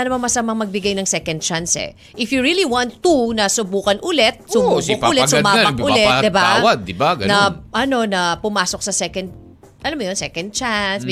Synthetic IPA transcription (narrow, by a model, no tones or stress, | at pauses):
anɐmanmɐsɐmaŋmɐɡ̚bɪɡajnɐŋsɛkɐnd̪̚t͡ʃansɛ̰ | ʔɪfjuɹiliwãnt̪ːunɐsʊbuːkɐnʔʊlɛt̪̚sʊubʊkʊlɛsʊmaːmɐʔʊlɛtd̪ɪbawɐd̪̚ːɪbaɡɐnɐʔɐno̞nɐpʊmaːsok̚sɐsɛkɐnd̪̚ | ʔɐlamʊjonsɛkɐnd̪̚t͡ʃans